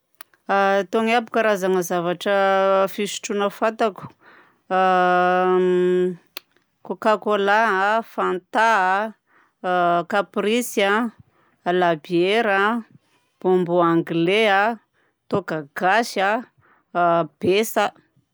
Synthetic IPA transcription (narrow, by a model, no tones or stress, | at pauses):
at̪oŋapukaɾazaŋəzavaʈ͡ʂəfisi̥ʈ͡ʂunəfat̪aku̥ | kokakolafant̪aa | kapɾisa | labieɾa | b̥ombuaŋɡlea | t̪okaɡ̥aʃa | b̥esa